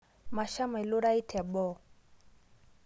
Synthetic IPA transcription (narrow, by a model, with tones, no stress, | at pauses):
ma˨ʃa˦m˨ɛ˨lo˦ɾa˦i˦tʰa˨bɔ˦˨